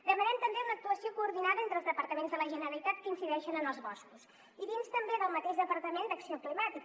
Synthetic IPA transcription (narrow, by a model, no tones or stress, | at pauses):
d̪əmənɛmt̪əmbeunək̚t̪uəsiokuːɾðinaðəent̪ɾəlˠzðəpəɾt̪əmenzðələʒənəɾəlit̪at̪̚kəinsiðɛʃənənəlˠzβɔskus | iβinst̪əmbeðəlˠmət̪eʒðəpəɾt̪əmend̪əksioklimat̪ik